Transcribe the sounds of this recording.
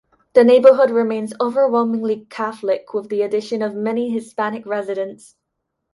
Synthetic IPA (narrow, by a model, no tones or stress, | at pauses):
ðɨneɪbə˞ɦʊd̚ɹɪmẽɪ̃nzoʊvə˞wɛlˠmɪ̃ŋlˠikʰaθl̩ˠɪkʰwɪðiɨdɪʃə̃nʌvmɛniɦɪspanɪkɹɛzɪɾə̃ns